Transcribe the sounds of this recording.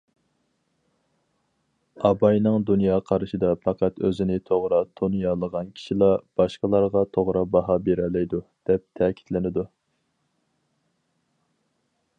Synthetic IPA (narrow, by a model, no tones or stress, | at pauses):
ɑbɑjnɨŋd̪unjɑːqʰɑɾɨʃid̪ɑpʰɑqʰɑt̪ø̰zɪnɪt̪ʰoʁɾɑt̪ʰonjɑlˠəʁɑnkʲʰi̥ʃilˠɑb̥ɑʃqəlˠɑɾʁɑt̪ʰoʁɾɑbɑɦɑbeɾɛlːɛjd̪ud̪̥ɛp̚t̪ʰɛkʲʰi̥t̪lɪnɪd̪u